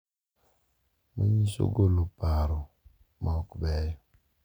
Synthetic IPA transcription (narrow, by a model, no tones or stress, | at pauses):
məɲiso̰ɡolopaɾɔ | mʔɔkbɛjɔ